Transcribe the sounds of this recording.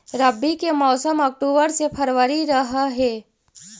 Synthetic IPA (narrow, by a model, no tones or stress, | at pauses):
ɾəbʱːikemɔːsəmɔːk̚ʈoːbəɾsepʰəɾʋəɾiɾɐɦaɦɛː